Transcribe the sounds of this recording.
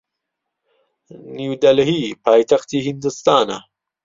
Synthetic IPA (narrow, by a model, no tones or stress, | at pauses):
niwd̪ɐlɦipaːjt̪axt̪iɦind̪ust̪aːna̰